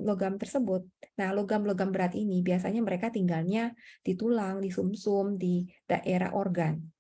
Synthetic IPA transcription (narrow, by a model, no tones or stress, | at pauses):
loɡamt̪ərsəbʊt̪̚nahloɡamloɡambəɾat̪inibiasaɲaməɾekat̪iŋɡalɲad̥it̪ulaŋdisumsʊmdid̥a̰ʔeɾa̰ɦʔɔrɡan